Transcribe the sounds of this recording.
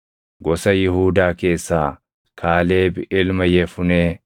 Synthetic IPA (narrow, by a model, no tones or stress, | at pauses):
ɡɔsɐjɪhuːd̪aːke̞ːsːaː | kʰaːle̞ːbɪʔɪlmɐjɛfʊneː